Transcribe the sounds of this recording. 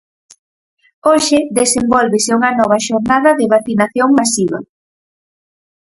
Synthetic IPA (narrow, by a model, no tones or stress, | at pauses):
oʃɪðesembɔlβɪsɪuŋɐnɔβ̞ɐʃoɾnaðɐðɪβaθinaθjoŋmasiβɐ̰